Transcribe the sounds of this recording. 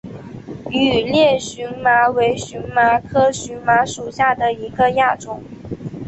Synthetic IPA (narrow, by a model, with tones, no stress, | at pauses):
y˨˩ljɛ˥˩ɕy˧˥nma˧˥we˧˥ɪɕy˧˥nma˧˥kʰɤ˥ɕy˧˥nma˧˥ʂu˨˩ɕja˥˩d̪ə˩i˧˥ɡə˧ja˥˩ʈ͡ʂʊ˨˩˦ŋ